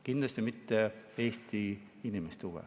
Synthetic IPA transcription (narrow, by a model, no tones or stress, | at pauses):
kind̪lɑst̪imit̪ːeeːst̪i | inimest̪uwḛ